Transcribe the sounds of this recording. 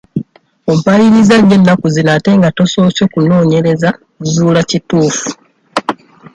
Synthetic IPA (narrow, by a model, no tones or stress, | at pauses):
ompajiɾizaɾe̞nːakuzinate̞ŋɡato̞so̞so̞ːkuno̞ːɲe̞ɾe̞za | zuːlacituːfu̥